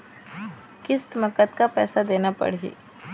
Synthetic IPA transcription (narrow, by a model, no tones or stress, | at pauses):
kɪst̪məkət̪kapɛːsad̪eːnapɐ̰ɽɦḭː